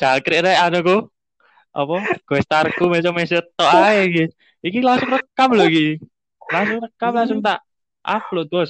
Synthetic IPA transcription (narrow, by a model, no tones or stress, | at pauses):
d͡ʒ̥alkɾeʔɾaʔanuku | ʔɔpɔɡ̥ɛst̪arkumɛsɔmɛsət̪ːɔaeɡi | ikilaŋsʊŋrəkːamloɡi | laŋs̬ʊŋrəkːamlaŋsʊŋt̪aʔ | ʔa̰floʔd̪us